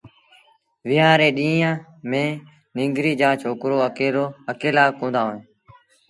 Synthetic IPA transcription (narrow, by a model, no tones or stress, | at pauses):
ʋɪjãːɾeːɗĩːãː | mẽː | nɪ̃ŋɡɾiːd͡ʒãːt͡ʃʰoːkɾoːəkeːɾoːəkeːlaːkõːnd̪aːɦoːẽː